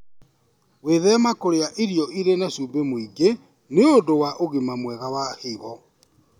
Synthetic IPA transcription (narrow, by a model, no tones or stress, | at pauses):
weðɛmakoɾeaʔiɾijɔʔiɾenasuːmbemoiɡe | neodowaʔoɣimamwɛɣawaheβɔ